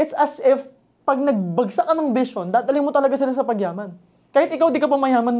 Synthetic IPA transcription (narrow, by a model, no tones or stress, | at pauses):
ɛt̪sɐsɛf | pɐɡ̚nɐɡ̚bɐɡsakɐnɐŋbɪʃo̞nd̪aːd̪ɐlɪŋmot̪ɐlɐɡasɪlasɐpɐɡjaːmɐn | kaːhɪt̪̚ʔɪkawd̪ikɐpɐmɐjaːmɐn